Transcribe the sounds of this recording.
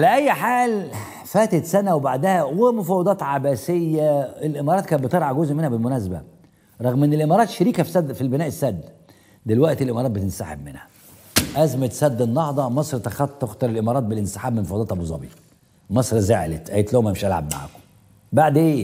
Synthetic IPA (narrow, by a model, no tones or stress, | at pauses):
alæʔæjːħaːl | fæːt̪et̪sænæwebaʕd̪æhæwemofæwːɑd̪ˤɑːt̪ʕabæsejːæelʔemɑːɾˤɑːt̪̚kæːbet̪ɑɾˤʕɑɡozʔmenhæbelmʊnæsbæ̰ | ɾˤɑɣmʔenːelʔemɑɾˤɑːt̪ʃeɾiːkæfsæfilbenæːʔesːæd̪ː | d̪elwæʔt̪elʔemɑɾˤɑːt̪bet̪ensa̰ħebmenhæ̥ | ʔæzmet̪sæd̪ːenːɑhd̪ˤɑmɑsˤɾt̪æxɑt̪ˤːoxt̪ɑɾˤelʔemɑːɾˤɑːt̪̚belʔɪnsɪ̥ħaːbmemofɑwɑd̪ɑːt̪hɑbezˤɑ̰bḭː | mɑsˤɾzeʕlet̪ʔæjet̪lohmæmeʃʔælʕa̰bma̰ʕa̰ːko̥ | baʕd̪ʔeː